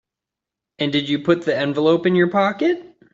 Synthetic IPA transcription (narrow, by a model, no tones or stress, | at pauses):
ɨ̃ndɨd͡ʒɨpʰʊt̪̚ðiɛ̃ɱvəlˠoʊpɨ̃njə˞pʰɑkɨt̚